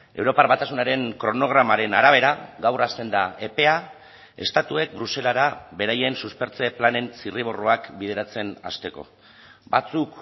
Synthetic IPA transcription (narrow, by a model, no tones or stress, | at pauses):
e̞̰wɾo̞paɾβat̪asunaɾe̞ŋkɾo̞no̞ɣ̞ɾamaɾe̞naɾaβ̞e̞ɾaɣawrast̪e̞nd̪ae̞pe̞a | e̞̰st̪at̪ue̞k̚bɾuse̞laɾaβe̞ɾaje̞nsuspe̞ɾt͡se̞plane̞nsiriβ̞o̞roakbið̞e̞ɾat͡se̞na̰st̪e̞ko̞̰ | bat͡suk